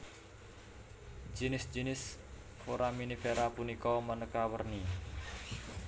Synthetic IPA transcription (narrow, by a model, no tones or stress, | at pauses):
d͡ʒinɪsd͡ʒinɪs | oɾaminifeɾapunikɔmənəkawərni